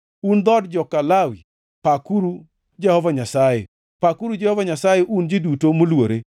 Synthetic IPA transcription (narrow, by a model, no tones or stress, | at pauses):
und̪ɔdd͡ʒɔkːalawi | pakuɾu | d͡ʒɛhɔvaɲasajḛ | pakuɾud͡ʒɛhɔvaɲasajeʔund͡ʒɪdutomolwoɾe